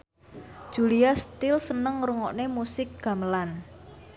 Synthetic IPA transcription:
d̥ʒ̥uliast̪ɪlsənəŋɾuŋɔ̰ʔnemusɪk̚ɡ̥a̤məlan

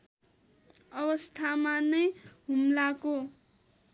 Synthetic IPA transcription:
ʌβʌst̪ʰamanʌjɦumlako

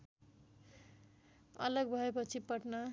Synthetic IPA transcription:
ʌ̰lʌɡbʱʌepʌt͡sʰipʌʈnʌ

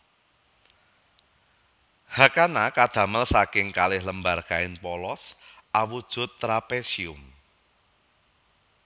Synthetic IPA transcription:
hakanakad̪̥ä̤məlsakɪŋkalɪhləmbarkaɪnpɔlɔsʔawud̥ʒ̥ʊ̤t̪ːɾapesiʊm

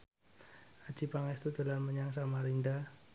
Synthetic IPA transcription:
ḁd͡ʒ̥ipaŋast̪ud̪əlanməɲaŋs̬amaɾinda

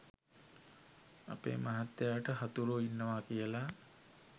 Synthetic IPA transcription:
a̰pḛːmaɦat̪ːjeaʈəɦat̪uluinːəʋaːkijəla

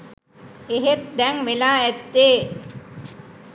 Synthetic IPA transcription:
eɦet̪̚d̪ɛŋʋelaːɛt̪ːeː

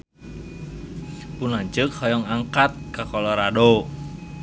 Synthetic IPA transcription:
punaɲt͡ʃɨkhɔjɔŋaŋkat̪̚kakɔlɔɾado

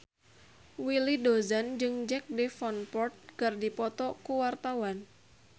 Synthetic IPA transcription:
wilidozand͡ʒɨŋd͡ʒɛk̚defɔnpɔrt̪̚ɡ̥ardipɔt̪ɔkuwart̪awan

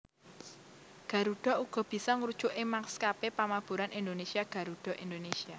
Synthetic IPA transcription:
ɡ̥ä̤ɾuɖ̥ɔ̤ʔuɡ̥ɔ̤b̥i̤sɔŋɾud̥ʒ̥ʊʔemakskapepamab̥uɾanind̪onesiaɡ̥a̤ɾuɖ̥ɔ̤ʔind̪onesia

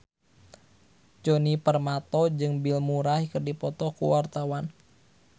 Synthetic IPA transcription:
d͡ʒɔnipərmat̪ɔd͡ʒɨŋbilmuɾahikərdipɔt̪ɔkṵwart̪awan

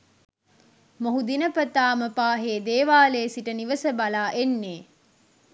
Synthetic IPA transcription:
moɦud̪inəpət̪aːməpaːɦeːd̪eːʋaːleːsiʈəniʋəsəbalaːʔenːeː

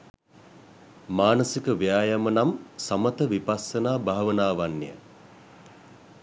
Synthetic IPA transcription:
maːnəsikəʋijaːjamənamsamət̪əʋipasənaːbʱaɦaʋənaːʋanːḭjə̰

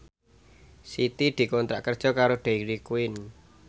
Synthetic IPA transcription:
sit̪id̪̥i̤kɔnt̪ɾa̰ʔkərd̥ʒ̥ɔ̤kaɾoɖ̪̥eiɾikuɪn

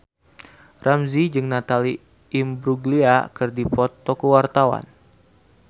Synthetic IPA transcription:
ramzid͡ʒɨŋnat̪aliː | mbɾuɡliakɨrdipɔt̪ːɔkuwart̪awa̰n

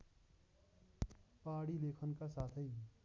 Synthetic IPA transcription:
paːɽileːkʰənkasaːt̪ʰəi

